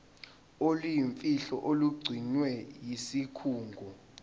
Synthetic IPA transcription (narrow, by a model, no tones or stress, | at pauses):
olujiɱfiɬɔ̰ʔoluɡ͡ǀʱinwɛjisikʰuːŋɡʱɔ